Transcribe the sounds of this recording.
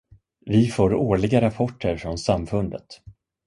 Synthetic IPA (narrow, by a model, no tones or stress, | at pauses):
vɪfoːɾoːɭɪɡaɾapʰɔʈːəɾfɾɔnsamfɵnd̪ət̪